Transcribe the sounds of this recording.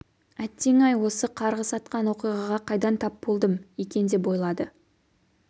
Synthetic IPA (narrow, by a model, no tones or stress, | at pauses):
æt̪ːe̞ŋɑjwo̞səqʰɑɾʁəsɑt̪qɑnwo̞qijʁɑʁɑqʰɑjd̪ɑnt̪ʰɑpbo̞lˠd̪əmekʲe̞nd̪e̞pbo̞jlˠɑd̪ə